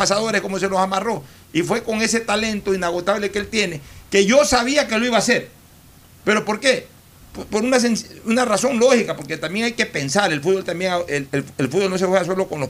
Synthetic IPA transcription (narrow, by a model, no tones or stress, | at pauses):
asaðo̞ɾesko̞mo̞se̞losamaro̞ | ifwe̞ko̞ŋe̞se̞t̪ale̞nt̪o̞inaɣ̞o̞t̪aβle̞kelt̪je̞neke̞ʝo̞saβiakeloiβaːse̞ɾ | pe̞ɾo̞po̞ɾke | ppo̞ɾunas̬ensunaraso̞ŋlo̞hikapo̞ɾket̪ambjeŋajke̞pe̞nsaɾelfud̪bolt̪ambjeŋaeeelfud̪̚bolno̞s̬efweas̬o̞loko̞nlo